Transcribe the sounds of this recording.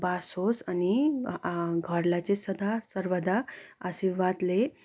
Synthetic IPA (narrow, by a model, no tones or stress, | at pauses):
basosani | ɡʱɔɾlat͡sesəd̪ʱasəɾʋəd̪ʱaəɕiʋʋat̪le